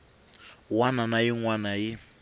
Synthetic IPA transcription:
wananajiŋwanaji

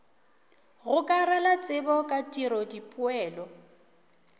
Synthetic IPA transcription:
ɣʊkʼaɾalat͡sʼɪbɔkʼatʼiɾɔdipʼʊɛːlɔ

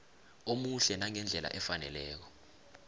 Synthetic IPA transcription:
omuɬɛnaŋɛnd͡ɮʱɛla̰ʔɛfanɛlɛːk̬ɔ̥

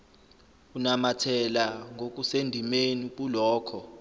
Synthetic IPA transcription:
unamatʰɛlaŋʱok̬usendʱimenik̬ʼulɔːkʰɔ

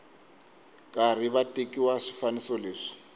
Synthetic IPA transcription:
kʼar̤iβatʼekʼiwaʂi̥fanisɔleːʂi̥

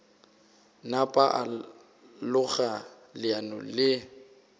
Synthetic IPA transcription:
napʼaʔa | lʊɣa | lɪanɔ̰lɪ

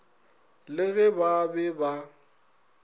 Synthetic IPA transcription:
lɪɣɛbabɛba

